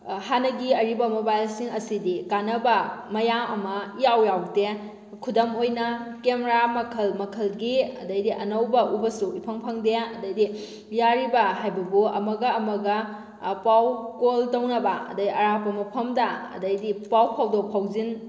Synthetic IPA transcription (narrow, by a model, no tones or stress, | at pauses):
hanɐɡiɐɾibɐmobajlsiŋɐsidikanɐbɐmɐjaŋɐmɐijawjawde | kʰudɐmojnɐkemeɾamɐkʰɐlmɐkʰɐlɡiɐ̰dɐjdiʔɐnɐwbɐʔubɐsuipʰɐŋpʰɐŋdeɐdɐjdi | jaɾibɐɦajbɐbuɐ̰mɐɡɐːmɐɡɐ | pawkoltɐwnɐbɐɐ̰dɐiɐɾapɐmɐpʰɐmdɐɐ̰dɐjdipawpʰawdopʰawzin